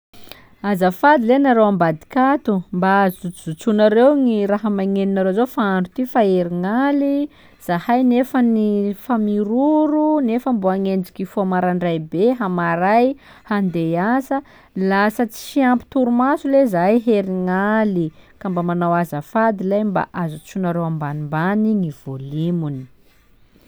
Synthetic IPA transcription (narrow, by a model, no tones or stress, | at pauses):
azafad̪ilenaɾowambad̪i̥kat̪umbazuz̥ut͡sunaɾewŋiɾaɦəmaŋeninaɾozofaaɳɖ͡ʐut̪ifaeɾiŋali | z̥ahajnefənifamiɾuɾunefəmbuaŋend͡ʒikifoamaɾaɳɖ͡ʐajbeɦamaɾaj | hand̪easə | lasət͡si̥siampi̥t̪uɾumasulezajɦeɾiŋalikambamanawazəfad̪ilajmba̰ʔazut͡sunaɾewambanimbaniŋiv̥olimuni̥